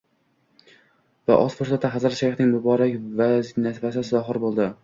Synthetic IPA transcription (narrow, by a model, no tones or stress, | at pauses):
va̰ʔɒz̥foɾsat̪ʰːaɦazɾaʃaɾjχnɪŋbʊbɒɾakʲvaznasvasɪsɪzɒɦɨɾbolˠd̪ɪ